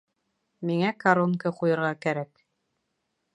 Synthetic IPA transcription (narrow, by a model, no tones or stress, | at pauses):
miŋækaɾonkɤqujɤ̆ɾʁɑkæɾæk